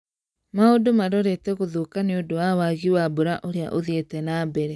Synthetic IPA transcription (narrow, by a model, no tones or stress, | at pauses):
maodomaɾɔɾetɛɣoðokaneodowawaɣiwaboɾaʔoɾea̰ʔoðietɛnaːbɛɾɛ